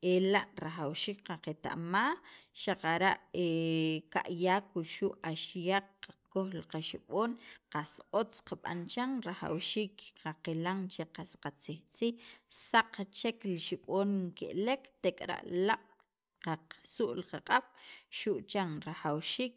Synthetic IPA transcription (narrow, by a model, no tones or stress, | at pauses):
elaʔɾaxawʃiːk̚qaqet̪a̰ʔmaːxʃaqaɾaʔeka̰ʔjaːkuʃuʔaʃjaq͡χ̚ːakoxlaqaʃiɓoːnqasot͡sqaɓa̰nt͡ʃaŋɾaxa̰wʃiːkqaqelaŋt͡ʃeqasqat͡siht͡siːxsaqt͡ʃekliʃiɓoːnkḛʔlekt̪ekʼɾa̰ʔlaʔʼ | qaqsuʔlqaqʼaɓ̥ʃuʔt͡ʃaŋɾaxawʃiːk̚